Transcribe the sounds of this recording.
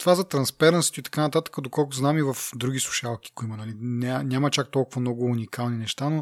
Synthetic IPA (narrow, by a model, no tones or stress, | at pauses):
t̪ovazɐt̪ɾɐnspɛɾnsi̥t̪oit̪ɐ̥kanɐt̪at̪ə̥kəd̪okɔlˠkʊznamivɐfd̪ɾuɡ̟ʲisˠu̥ʃalˠki̥kʊimɐnɐlinʲanʲamɐt͡ʃak̚t̪ɔlˠkʊvɐmnɔɡʊːnikalˠninɛʃt̪ano